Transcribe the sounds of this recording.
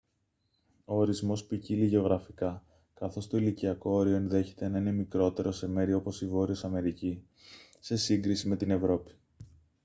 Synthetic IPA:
o̞ːɾizmo̞spiciliʝeo̞ɣɾɐfikɐ | kɐθo̞st̪o̞iliciɐko̞oɾio̞e̞nðe̞çe̞t̪e̞nɐine̞mikɾo̞t̪e̞ɾo̞se̞me̞ɾio̞po̞sivo̞ɾiosɐme̞ɾici | se̞siŋɡɾisime̞t̪ine̞vɾo̞pi̥

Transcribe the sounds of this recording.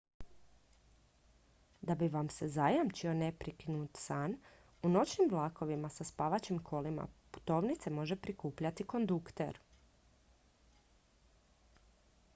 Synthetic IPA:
d̪abiʋamse̞zajamt͡ʃionepɾikinut̪saːn | uno̞t͡ʃnimʋlˠaːko̞ʋimasaspaːʋat͡ɕimkʰo̞lima̰pu̥t̪o̞ːʋnit̪se̞mo̞ʒe̞pɾikuːpʎat̪iko̞nd̪ukt̪ḛɾ

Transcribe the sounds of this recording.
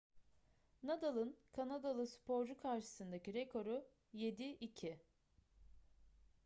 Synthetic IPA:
nad̪alˠɯnkʰanad̪alˠɯspʰo̞ɾd͡ʒukʰaɾʃɯ̥sɯnd̪aciɾekʰo̞ɾu | je̞d̪iʔicʰi

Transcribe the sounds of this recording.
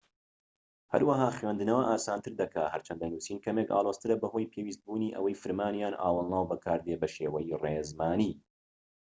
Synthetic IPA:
hɐ̰ɾwɐɦaːχwend̪ɨnɐwɐʔaːsaːnt̪ʰɨɾd̪ɐkʰaːhɐɾt͡ʃʰɐnd̪ɐnuːsiːnkʰɐmeːka̰ːlˠoz̥t̪ɨɾɐbɐhoːjpʰeːwiːst̪̚buːniːʔɐ̰wɐjfɨɾmaːnjaːnʔa̰ːwɐlˠnaːwbɐkʰaːɾd̪ebɐʃeːwɐjirezmaːniː

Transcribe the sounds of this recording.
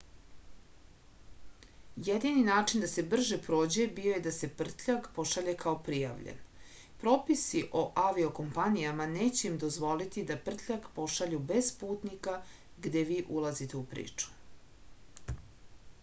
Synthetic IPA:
jed̪ininaːt͡ʂind̪ase̞br̩ʒepɾoːd͡ʑuebijo̞jed̪ase̞pr̩t̪ʎʲakpo̞ʃaʎekʰao̞pɾija̰ʋʎḛn | pɾo̞ːpisiʔo̞ʔaʋio̞ko̞mpanijamaneːt͡ɕeimd̪o̞zʋo̞lit̪id̪apr̩t̪ʎʲakpo̞ʃaʎube̞z̥puːt̪nika | ɡd̪e̞ʋiːʔulˠazit̪eupɾḭːt͡ʂu̥

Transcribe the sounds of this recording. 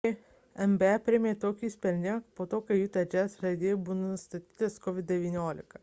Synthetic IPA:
ɛmbʲɛɛpʲɾʲɪmʲeːt̪oːkʲiːsʲpʲɛɾʲnʲɪŋkpoːt̪oːkɐɪjuːt̪ʲɐd͡ʒʲɛsʒɐɪd̪ʲeːjbunonʊst̪ɐt̪ʲiːt̪ɐskɔʋʲɪd̪̚ʲd̪ʲɛʋʲiːnʲoːlʲɪkɐ

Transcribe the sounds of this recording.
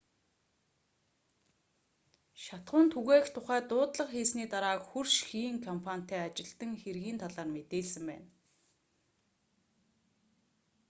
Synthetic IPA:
ʃat̪χʊːnt̪ʰuɣæːxt̪ʰʊχæːt̪ʊːt̪ɮə̆qxiːsniːt̪aɾaːkxurʃxiːŋkʰɔmpʰanʲt̪æːat͡ɕɪ̆ɮt̪ə̆ŋxerɣiːnt̪ʰaɮaːrmet̪eːɮsɘ̆mpæ̰ːn

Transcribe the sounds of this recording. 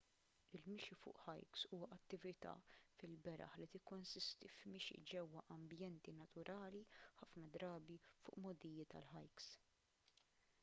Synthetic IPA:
ɪlmɪʃifʊ̰ːʔħɐ̰jksuːwɐʔɐt̪ːɪvɪt̪ɐ̰fɪlbɛɾɐ̰ħlit̪ɪkːʊnsɪst̪ifmɪʃḭd͡ʒɛwːɐʔɐmbjɛnt̪inɐt̪ʊɾʔɐːliħɐfnɐd̪ɾɐːbifʊ̰ːʔmɔd̪ijɪt̪ɐ̰lħɐjks

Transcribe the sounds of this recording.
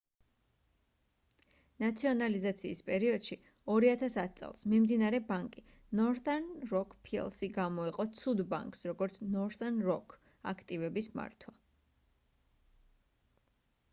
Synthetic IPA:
nat̪sʰiɔnalizat̪sʰiːspʼɛɾiɔd̪̥ʃi | ɔɾiat̪ʰasat̪̚ʰtsʼɛ̰lˠsmimd̪inaɾɛbaŋkʼi | nɔɾθʼanɾɔkʰpʰiɛ̰lˠsiɡamɔiqʼɔt̪sʰud̪ba̰ŋkʼsɾɔɡɔɾt̪sʰnɔɾθʼanɾɔkʰ | a̰kʰt̪ʼivɛbisma̰ɾt̪ʰwa

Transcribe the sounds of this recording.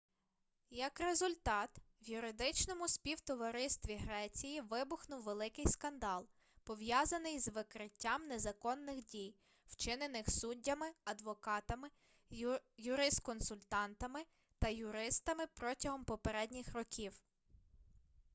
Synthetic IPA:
jɐkɾezʊlʲt̪ɑt̪ | ʋjʊɾɪd̪ɪt͡ʃnɔmʊsʲpʲiwt̪ɔʋɐɾɪst̪ʋʲiɦɾɛt͡sʲijiʋɪbʊxnʊwʋelˠɪkɪjskɐnd̪ɑlˠ | pɔʋjɑzɐnɪjzʋɪkɾɪtʲːamnezɐkɔnːɪxdʲij | w̥t͡ʃɪnenɪxsudʲːɐmɪɐd̪ʋɔkɑt̪ɐmɪ | jʊɾɪst̪kɔnsʊlʲt̪ɑnt̪ɐmɪ | t̪ɐjʊɾɪst̪ɐmɪpɾɔtʲɐɦɔmpɔpeɾɛdʲnʲixrɔkʲiw

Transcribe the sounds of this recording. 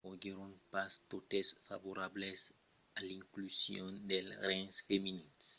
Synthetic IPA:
oɡeɾõnpast̪ot̪esfavoɾables | alĩŋklusjõnd̪elrɛ̃nsfeminis

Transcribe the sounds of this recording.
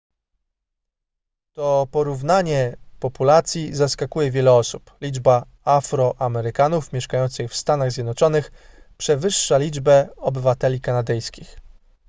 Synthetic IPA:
t̪ɔpɔɾuvnaɲɛpɔpulat̪sʲjizaskakujɛvʲjɛlɛɔsuplʲid͡ʐba | afɾɔʔamɛɾɘkanufmʲjɛʂkajɔnt̪sɘxfst̪anaɣzʲjɛd̪nɔt͡ʂɔnɘxpʂɛvɘʂːalʲid͡ʐbɛɔbɘvat̪ɛlʲikanad̪ɘjskʲix

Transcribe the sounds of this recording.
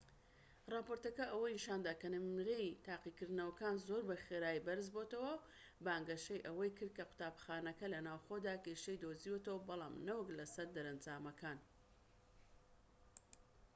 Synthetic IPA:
rɑːpoɾt̪ɐkɐʔɐwɐjnɨʃaːnd̪aːkɐnɨmɣejt̪aːqikɨɾd̪ɨnɐwɐkaːnzoːɾbɐxeɾaːjbɐɾɨz̬bot̪ɐwɐw | baːŋɡɐʃejʔɐwɐjkɨɾd̪̚kɐqʊ̥t̪aːbxaːnɐkɐlɐnaːwxod̪aːkeʃejd̪oziot̪ɐwɐbɐlˠa̰ːmnɐwɐklɐsɐɾd̪ɐɾɐnd͡ʒaːmɐkaːn

